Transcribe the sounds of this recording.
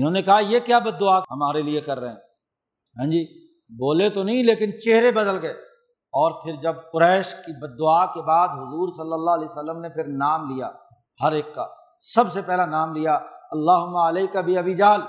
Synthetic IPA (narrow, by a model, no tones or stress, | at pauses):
ɪnɦõːnekɐɦajekjaːbɐd̪ːʊaɦɐmaːɾeliekɐɾːɐɦɛ̃ː | ɦɛ̃ːd͡ʒiː | boːlet̪onɐɦĩleːkɪnt͡ʃeɦɾebɐd̪əlɡɐe | ɔːɾpʰɪɾd͡ʒɐb̚kʊɾɛːʃkibɐd̪ːʊaːkebaːd̪ɦʊzuːɾsɐlːəlːaɦlɛːsəlːəmnepʰɪɾnaːmlija̰ | hɐɾeːkːa̰ | sɐbsepɛɦlanaːmlijaɐlːaːɦʊmːaɐleːkabʱiɐbiːd͡ʒaːl